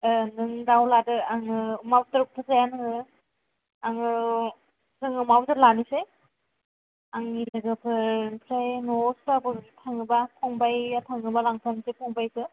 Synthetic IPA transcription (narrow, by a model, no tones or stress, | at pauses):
ɯnɯŋdawladɯaŋɯmabtɯɾp̚tʰɯzajanŋɯ | aŋɯ | zɯŋɯmabɯtɯlanise | aŋilɯɡɯpʰɯɾnpʰɾajnɔsbabɯtʰaŋɯbapʰɔŋbajatʰaŋɯbalaŋpʰansepʰɔŋbajsɯ